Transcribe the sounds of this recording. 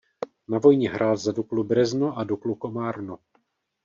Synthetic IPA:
navo̞jɲɛɦɾʔaːlzaduklubrɛznoʔadukluko̞maːɾno

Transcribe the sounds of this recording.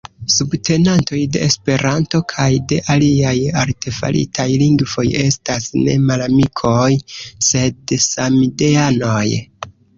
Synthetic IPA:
subtʰe̞nanto̞jde̞̰espe̞ɾanto̞kʰajde̞ʔaliajaɾte̞fa̰lʔḭtʰajliŋɡvo̞je̞stasne̞̰malamikʰo̞jse̞dsamide̞ano̞j

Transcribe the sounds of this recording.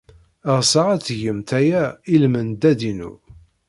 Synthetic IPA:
əʁsəʁæt͡sːʝəmt̪æjæilmənd̪æd̪inṵ

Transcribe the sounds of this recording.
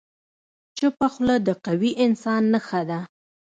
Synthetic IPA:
t͡ʃəpaxləd̪əqawiʔɪnsɑnːəxad̪a

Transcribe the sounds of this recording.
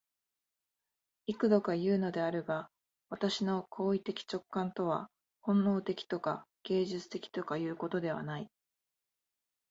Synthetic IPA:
ikɯ̟d̪o̞kajɯ̟ːno̞d̪e̞aɾɯba | βat̪aɕino̞kʰo̞ːit̪e̞kʲi̥t͡ɕo̞kːãnt̪o̞β̞a̰ | hõ̞nːo̞ːt̪e̞kʲi̥t̪o̞kaɡ̥e̞ːʑɨt͡sɨ̥t̪e̞kʲi̥t̪o̞kajɯ̟ːko̞t̪o̞d̪e̞β̞a̰nai

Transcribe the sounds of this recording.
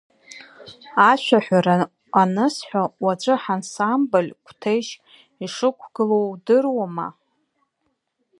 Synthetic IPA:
aʃʷʰᶣaħʷᶣaɾa | anɨsħʷawat͡ʃʷʼɨħansambolʲkʷʰtʰejʃ | iʂɨkʷʰɡ̥ɨlodɨrwama̰

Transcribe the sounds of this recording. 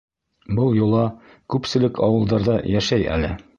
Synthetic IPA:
bɤlˠjulˠɑ | kʉpsɘ̆lɘkʰɒwɤ̆lˠd̪ɑɾðɑjæʃæjæ̰lɘ

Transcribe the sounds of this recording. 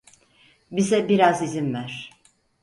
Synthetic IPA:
bizɛbiɾazizimvæɾ̥

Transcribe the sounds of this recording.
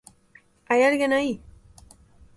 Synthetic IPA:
ajaɾɣenaj

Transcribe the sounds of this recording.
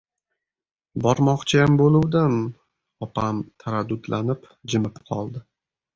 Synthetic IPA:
bɒɾmɒqt͡ʃʰajambolˠʊwd̪ɪm | ɒpʰamt̪ʰaɾad̪ːʊd̪lʔanɪp | d͡ʒɪmɪpqʰɒ̰lˠd̪ɪ

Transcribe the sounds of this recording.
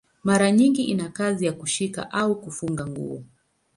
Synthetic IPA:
maɾaɲiŋɡiʔinakazijakuʃika̰ʔaukufuŋɡaŋɡṵɔ̰

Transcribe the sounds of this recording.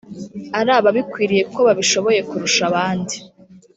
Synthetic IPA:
aɾaːβaβikwiːɾije̞ko̞βaβiʃo̞βo̞je̞kuɾuʃaβaːndi

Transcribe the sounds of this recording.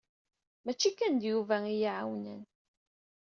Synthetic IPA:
mæt͡ʃːikːænd̪juvæijiʕawnə̰n

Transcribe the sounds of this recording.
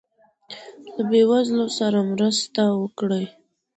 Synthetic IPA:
labewazlosaɾamɾəst̪awəkɽəj

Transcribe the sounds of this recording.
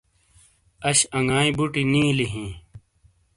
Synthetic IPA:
ɐɕɐŋɡaːĩbuʈinĩːliɦĩː

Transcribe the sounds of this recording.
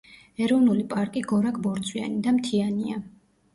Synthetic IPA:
ɛɾɔvnulipʼaɾkʼiɡɔɾakʰʼbɔɾt̪sʼwia̰nid̪amt̪ʰiania

